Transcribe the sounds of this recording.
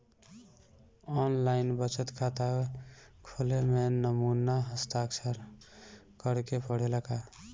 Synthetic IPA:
ɔnlajnbət͡ʃʰət̪kʰat̪ə | kʰulemenəmunaɦəst̪akt͡ʃʰəɾ | kəɾkepəɽ̤elaka

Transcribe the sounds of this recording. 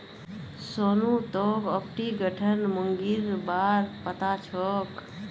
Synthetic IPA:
soːnut̪oːkəpʈiɡəʈʰənməŋɡiɾbaːɾpət̪at͡ʃʰɔk

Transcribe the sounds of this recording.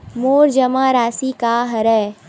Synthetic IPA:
moːɾd͡ʒɐmaːɾaːsikaːɦɐɾɛː

